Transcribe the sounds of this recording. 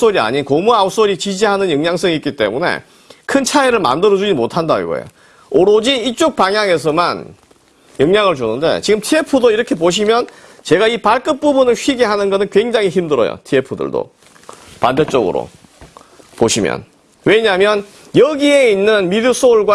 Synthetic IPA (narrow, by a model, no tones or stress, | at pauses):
s͈ʰoɾia̰ɲinkomuaus͈oɾit͡ɕid͡ʑiɦanɯnjʌŋɲaŋs͈ʌŋik͈it͈e̞̰mune̞̰ | kʰɯnt͡ɕʰaeɾɯɭma̰ndɯɾʌd͡ʑud͡ʑimotʰandaḭɡo̰ḛjo̰ | oɾod͡ʑiit͡ɕ͈ok̚paŋjaŋe̞s̬ʰʌman | jʌŋɲaŋɯɭt͡ɕunɯnde̞̰t͡ɕiɡɯmtʰiepʰudoiɾʌkʰe̞poɕ̬ʰimjʌn | t͡ɕe̞ɡaipaɭk͈ɯp̚p͈ubunɯɭɕɥiɡeɦanɯnɡʌnɯnkwe̞ŋd͡ʑaŋɦiçimdɯɾʌ̰jo̰tʰiepʰudɯ̰ɭdo̰ | pandet͡ɕ͈oɡɯ̰ɾo̰ | poɕʰimjʌ̰n | we̞ɲamjʌn | jʌɡie̞inːɯnmidɯsʰoɭɡwa